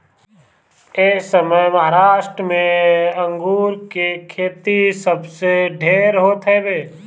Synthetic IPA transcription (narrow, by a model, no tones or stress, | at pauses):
esəməjməɦaɾaːʃʈɾəmẽə̃ŋɡuːɾkekʰeːt̪isəbseɖʱeːɾɦoːt̪ɦɛbeː